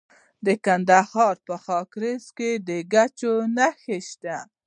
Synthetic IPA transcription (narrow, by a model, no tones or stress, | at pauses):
d̪əkand̪ahɑɾpəxɑkɾezked̪əɡat͡ʃonaxeʃt̪a